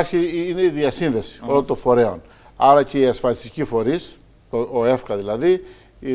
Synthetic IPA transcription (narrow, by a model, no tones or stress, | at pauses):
ɾçiine̞iðiɐsinðe̞si̥o̞lont̪o̞fo̞ɾe̞o̞n | ɐɾɐce̞iɐsfɐlist̪icifo̞ɾis | t̪ooe̞fkɐðilɐði